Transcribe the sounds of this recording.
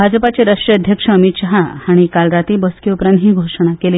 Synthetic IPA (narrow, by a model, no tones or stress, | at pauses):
bʱad͡zpat͡ɕeɾaʂʈɾeəd̪ʱjəkʂəəmit̪ɕəɦahaɽ̃ikalɾat̪iːbəskeupɾãnt̪ɦiːɡʱoʂəɽ̃akeliː